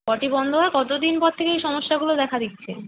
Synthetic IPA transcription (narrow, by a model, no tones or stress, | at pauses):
kɔʈibɔnd̪ʱoɦaekɔt̪od̪inpɔɾt̪ʰekeejʃɔmoʃːaɡulod̪ɛkʰad̪it̪ːt͡ɕʰe